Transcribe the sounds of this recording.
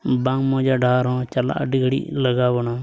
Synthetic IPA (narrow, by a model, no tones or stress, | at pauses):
bãːŋmõːd͡ʒaːɖʱaːɾõːt͡ʃəla̰ːɖɪɡɽḭːləɡaːʋonaː